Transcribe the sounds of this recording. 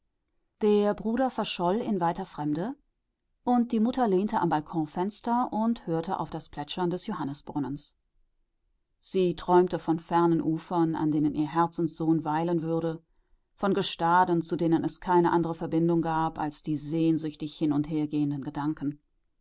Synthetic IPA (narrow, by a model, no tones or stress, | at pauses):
d̥eːɐbʁuːɾɐfɛɐʃɔlɪnvaɪtɐfʁ̥ɛmdə | ʔʊnt̚d̥iːmʊtɐleːntəʔa̰mbalkʰɔ̃fɛnstɐʔʊnthøːɐtəʔa̰ʊfd̥aspl̥ɛt͡ʃɐndɛsjohanəsb̥ʁʊnəns | z̥iːtʁ̥ɔʏmtəfɔnfɛɐnənʔuːfɐna̰ndeːnənʔiːɐɦɛɐt͡sn̩sz̥oːnvaɪlənvʏɐɾə | fɔnɡəʃtaːdn̩t͡sudeːnənɛskʰaɪnəʔandəʁ̞əfɛɐbɪndʊŋɡaːpa̰lsd̥iːzeːnzʏçtɪçhɪnʊntheːɐɡeːəndənɡədaŋkn̩